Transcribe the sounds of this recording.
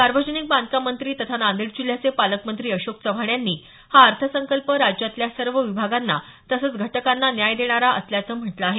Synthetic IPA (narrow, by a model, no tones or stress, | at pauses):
saɾʋəd͡ʑənik̚bãnd̪̚kamənt̪ɾiːt̪ət̪ʰanand̪iɽd͡ʑul̤jat͡sepaləkmənt̪ɾiːəɕokt͡səʋʱaɳjanːiː | haəɾt̪ʰəsəŋkəlpəɾad͡ʑjat̪ljasəɾʋəʋibʱaɡanːa | t̪əsət͡sɡʱəʈəkanːanjajd̪eɽ̃aɾaʔə̰sljat͡səːm̤əʈlaːɦe